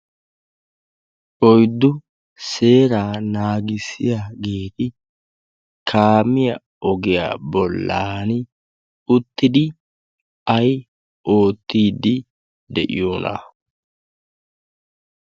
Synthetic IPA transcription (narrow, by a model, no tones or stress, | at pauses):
ʔɔjd̪ːʊ | se̞ːɾaːnaːɡɪsɪjaːɡeːt̪ɪ | kʰaːmɪjɐ | ɔɡɪja̰ːbɔlːaːn | ʊt̪ːɪd̪ɪ | ɐj | ʔo̞ːt̪ːiːd̪ːɪ | d̪ɛʔɪ̰jo̞ːna̰